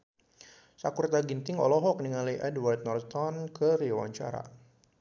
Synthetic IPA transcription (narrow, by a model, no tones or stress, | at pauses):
sakurt̪aɡint̪ɪŋɔ̰lɔɦɔk̚niŋaliʔɛdwart̪̚nɔrt̪ɔnkəɾiwa̰ɲt͡ʃa̰ɾa̰